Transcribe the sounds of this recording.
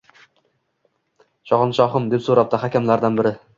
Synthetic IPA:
ʃɒʁɑnʃɒχɨmd̪e̞psoɾap̚t̪aχakʲamlaɾd̪anbɪɾɪ

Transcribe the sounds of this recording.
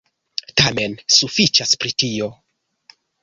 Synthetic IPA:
tame̞nsufit͡ʃaspɾitio̞

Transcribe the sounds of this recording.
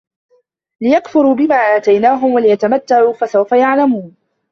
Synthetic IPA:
lɪjakfʊɾuːbɪmaːʔaːt̪ajnaːɦʊmwalɪjat̪amat̪ːaʕuːfasawfajaʕlamuːn

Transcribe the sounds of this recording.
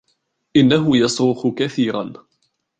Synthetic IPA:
ʔɪnːaɦʊjɑsɾʊxʊkaθiːɾˤan

